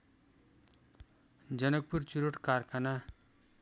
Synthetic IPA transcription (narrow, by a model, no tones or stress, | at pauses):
d͡zʌnʌk̚purt͡suɾoʈkarkʰana